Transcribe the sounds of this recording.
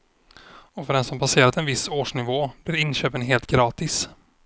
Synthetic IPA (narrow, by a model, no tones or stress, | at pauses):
ɔfœɖɛnsɔmpʰaseːɾat̪ɛnvɪsːoːʂɳɪvoːblɪɾɪnɕøːpənɦeːlt̪̚ɡɾɑːt̪ɪs